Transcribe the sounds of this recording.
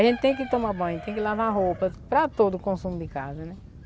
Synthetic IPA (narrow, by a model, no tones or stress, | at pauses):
ʒẽt̪ɪ̥t̪ẽj̃kɪt̪õmabɐ̃j̃t̪ẽj̃kɪlavaɦowpɐpɾɐt̪od̪ʊkõsũmʊd̪ɪkazɐnɛ